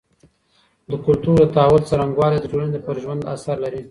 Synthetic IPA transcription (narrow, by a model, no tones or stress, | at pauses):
d̪əkʊlt̪uɾd̪ət̪awʊlt͡saɾaŋɡwɑled̪əd͡ʒolənepəɾʒwand̪a̰saɾlaɾi